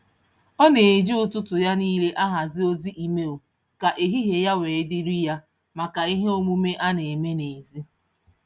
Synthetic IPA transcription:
ɔ˦ne˨e˨d͡ʒi˦ʊ˨tʊ˦tʊ˨ja˦niː˦le˦ʔa˦ɦa˨zɪ˦o˦zi˦ʔi˨me˦o˨ | ka˨ʔe˨ɦi˦ɦe˨ja˦weː˨ɪ˦dɪ˦ɾi˦ja˦ | ma˨ka˨i˦ɦe˦o˦mu˦me˦ʔa˦ne˨me˦ne˨zi˦

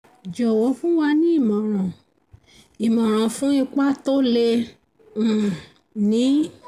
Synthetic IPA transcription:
d͡ʒɔ˨wɔ˨˦fũ˦wa˧nĩ˦i˦˨mã˨ɾ̃ã˨ | i˨mã˨ɾ̃ã˨fũ˨˦i˧k͡pa˦to˦lẽ˧˨ | nĩ˨˦

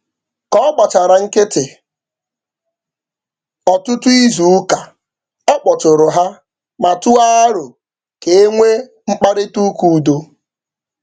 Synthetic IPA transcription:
kɔ˦k͡pa˨t͡ʃa˨ɾa˨ŋ̩˦kɪ˦tɪ˨ | ɔ˨tʊ˦tu˦i˦zu˨˦ka˨ | ɔ˦k͡pɔ˨tʊ˨ɾʊ˨ɦa˦ | ma˨tu˦a˦a˦ɾʊ˨ | ke˨e˦ŋʷe˦ | ŋ͡m̩˦k͡pa˦ɾɪ˦tu˦ku˦˨do˦

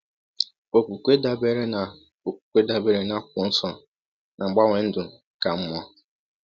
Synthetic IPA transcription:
o˨kʷu˨kʷe˦da˨be˦ɾe˦na˨ | o˨k̚ʷu̥˨kʷe˦da˦be˨ɾe˦na˦k̚ʷʊ˨n̩˦sɔ˨ | na˨ŋ͡m̩˨ɡ͡ba˦ŋʷe˨n̩˦dʊ˨ | ka˨m̩˦mɔ˦

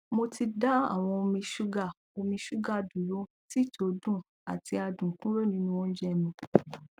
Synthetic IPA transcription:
mo˧tʰi˧da˦a̰˦˨w̃ɔ̃˧o˧mĩ˧ʃu˦ɡa˦˨ | o˧mĩ˧ʃu˦ɡa˦˨dũ˨ɾo˦ | ti˦˨tʰo˧˦dũ˦˨ | a˨ti˧a˧dũ˨kũ˦ɾo˦˨nĩ˦nũ˦˧ɔ̃˦n̩˦d͡ʒɛ˦˨mĩ˧

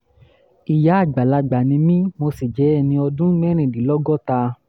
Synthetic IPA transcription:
i˨ja˨˦a˦˨ɡ͡ba˨la˧ɡ͡ba˨nĩ˧mĩ˦mo˧si˨d͡ʒɛ˨˦ɛ˦˨nĩ˧ɔ˧dũ˦mɛ˦ɾ̃ĩ˧˨di˨˦lɔ˦ɡɔ˦ta˧

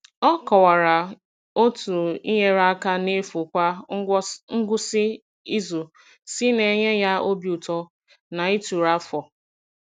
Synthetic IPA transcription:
ɔ˦kɔ˨wa˨ɾa˨ | o˦tu˨i˦ɦe˦ɾa˦ka˦ne˦fu˨kʷa˦ | ŋ̩˦ɡʷʊ˦sɪ˦ | i˦zu˨ | si˦ne˨ɲe˦ja˦o˦bju˨tɔ˦ | na˨i˦tu˨ɾa˦fɔ˨

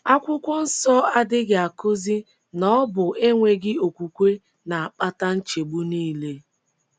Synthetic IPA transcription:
a˦kʷʊ˦kʷʊ˦n̩˦sɔ˦a˦dɪ˦ɡɪ˨a˨ko˦zi˦ | nɔ˦bʊ˨ʔe˦ŋʷe˦ɡɪ˦o˨kʷu˨kʷe˦ | na˨a˨k͡pa˦ta˦n̩˦t͡ʃe˨ɡ͡bu˦niː˦le˦

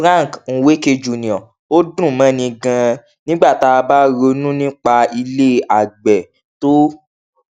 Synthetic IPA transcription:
ɾã˦˨kn̩˨we˦ke˧d͡ʒu˨nĩ˨ɔ̃˨ | o˦dũ˦˨mã˨˦nĩ˧ɡã˧ | nĩ˦ɡ͡ba˦˨ta˧ba˦ɾo˧nũ˦nĩ˦k͡pa˧i˧le˦a˨ɡ͡bɛ˨ | to˦

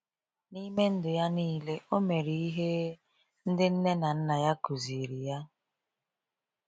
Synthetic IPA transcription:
ni˦me˦n̩˦dʊ˨ja˦niː˦le˦o˦me˨ɾi˨i˦ɦe˦ | n̩˦dɪ˦n̩˦ne˦na˨n̩˦na˨ja˦ku˨zi˨ɾi˨ja˦

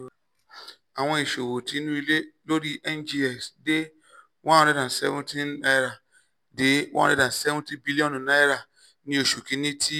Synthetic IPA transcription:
a˨ŋʷe˦i˨ʃo˨wo˨ti˦nu˦i˦le˦lo˦ɾi˦ʔɛ˦nd͡ʒi˦ɛ˨ksdɪ˦ | wã˦e˦da˨n̩˨sɛ̰˦vʊ̃˦ti˦na˦jɾa˨ | dɪ˨wʔa̰˦˨e˦da˨n̩˨sɛ˦vʊ̃˦ti˦bi˦li˦ɔ˦n˨na˦jɾa˨ | nĩ˦o˨ʃu˨ke˦ni˦tʰi˦

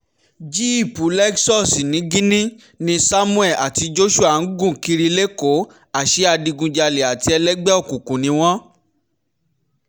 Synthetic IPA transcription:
d͡ʒi˦i˦˨pu˨˦lɛ˦ksɔ˦˨si˨nĩ˨˦ɡĩ˦nĩ˦ | nĩ˧sa˦mũ˦ɛ˦˨a˨ti˧d͡ʒo˦ʃu˦a˨n̩˦ɡũ˦˨ki˧ɾi˧le˦ko˨˦ | a˦˨ʃe˨˦a˧di˧ɡũ˧d͡ʒa˧le˨a˨ti˧˦ɛ˧lɛ˦ɡ͡bɛ˦ɔ˦˨kũ˨kũ˨nĩ˧˦w̃ɔ̃˦

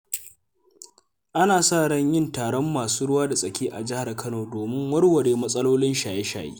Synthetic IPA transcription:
ʔa˦naː˨saː˦˨ɽɐ˦˨ɲjɪ˦ntaː˨ɽɔ˦mːaː˨suː˦ɽʊ˦waː˦da˨sʼɐ˨kʲiː˦ʔa˨d͡ʒɪ˦ha˨rkʰɐ˦noː˨doː˨mɪ˦ŋwɐ˦rwɐ˨ɾeː˨mɐ˦sʼɐ˦loː˦lɪ˦nʃaː˨je˦ʃa̰ː˨jḛː˦

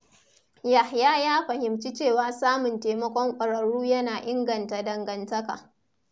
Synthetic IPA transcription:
ja˨hjaː˦jaː˦ɸɐ˨hɪ˨mt͡ʃi˦t͡ʃeː˦˨waː˦saː˦mʊ˨nteː˨mɐ˦kʷɔ˦ŋkʷʼɐ˨ɽɐ˨ɽuː˦jɐ˦naː˨ʔɪ˦ŋɡɐ˨nta˨dɐ˨ŋɡɐ˨ntɐ˦ka̰ː˨

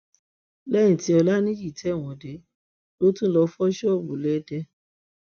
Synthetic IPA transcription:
lɛ˦nĩ˨ti˧˦ɔ˧la˦nĩ˦ji˦˨tʰɛ˨˦˨w̃ɔ̃˨de˨˦ | lo˨˦tũ˦lɔ˧fɔ˦ʃɔ˦˨bu˨lɛ˦dɛ˦

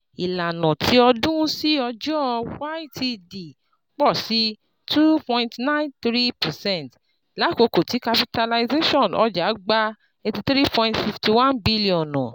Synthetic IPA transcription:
i˨la˨nɔ̃˨tʰi˨˦ɔ˧dũ˦si˦ɔ˧d͡ʒɔ˦˧wa˦i˦tʰi˧di˨ | k͡pɔ˦˨si˨˦ | tu˦pɔ̃˧ĩntnã˦ĩ˦nt̪ɾi˦pɛ˨sɛ̃˦˨t | la˨˦˨ko˧ko˨ti˨˦ka˧pi˧ta˧la˧ize˦ʃɔ̃˦˨nɔ̰˧˦d͡ʒa˨˦ɡ͡ba˦ | e˧ti˧t̪ɾi˦pʰɔ̃˧ĩ˦tfi˧˨fti˧˨wã˦nbi˦li˦ɔ̃˨nɔ̰̃˨

